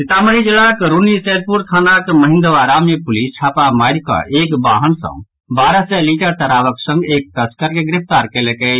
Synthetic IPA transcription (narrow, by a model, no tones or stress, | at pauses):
sit̪aməɾid͡ʒilakɾunised̪̚puɾt̪ʰanakməɦind̪əʋaɾamepulist͡ʃʰapamaɪɾkə̰ʔekbaɦənsə̰̃ | baɾəsɛliʈəɾt̪əɾaʋəksə̃ŋɡek̚t̪əskəɾkeɡɾip̚ʰt̪aɾkelekɛ